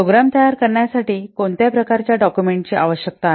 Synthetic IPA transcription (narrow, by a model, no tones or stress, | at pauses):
oɡɾamt̪əjaɾkəɾɳjasaʈiːkont̪japɾəkaɾt͡ɕjaɖɔkjumeɳʈt͡ɕiːʔa̰ʋəɕjək̚t̪a